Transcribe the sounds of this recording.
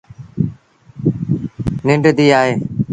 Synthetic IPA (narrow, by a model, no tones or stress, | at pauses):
nɪɳɖd̪iːaːɦeː